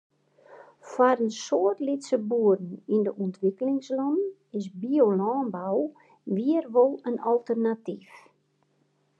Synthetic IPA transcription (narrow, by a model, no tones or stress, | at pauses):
faɾənsoərtlitsəbuədn̩indəʔɔntʰʋikəlɪŋslɔn | ɪsbiolɔːnbaw | ʋiərʋolˠənɔlˠtərnatif